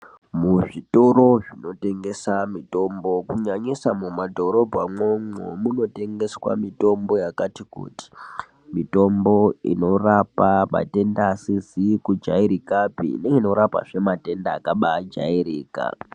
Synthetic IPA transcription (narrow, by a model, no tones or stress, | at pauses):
muʐito̞ɾo̞ʐino̞te̞ŋɡe̞samito̞mbo̞kuɲaɲisamumadʱo̞ɾo̞bʱamomo̰muno̞te̞ŋɡe̞swa̰mito̞mbo̞jakatikṵti̥ | mito̞mbo̞ḭno̞rapama̰te̞ndaːsizikud͡ʒaiɾikapḭneŋeino̞ɾapa̰ʐe̞mate̞ndaːkaɓaːd͡ʒa̰iɾiːka̰